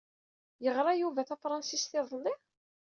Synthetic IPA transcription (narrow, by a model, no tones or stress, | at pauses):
jəʁɾˤɑjuvæθæfɾˤɑnsisθɪðˤlːi